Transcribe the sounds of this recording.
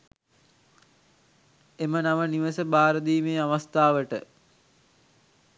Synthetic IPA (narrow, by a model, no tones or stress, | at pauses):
emənaʋəniʋəsəbaːɾəd̪iːmeːaʋast̪aːʋəʈə̰